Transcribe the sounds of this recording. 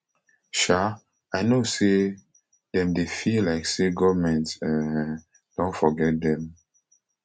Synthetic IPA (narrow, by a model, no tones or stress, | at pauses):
ʃa | aɪnose | dɛ̃mdefillaɪkseɡɔvmɛ̃ntsɛ̃ | d̥õntfɔɡɛt̚d̪ɛ̃m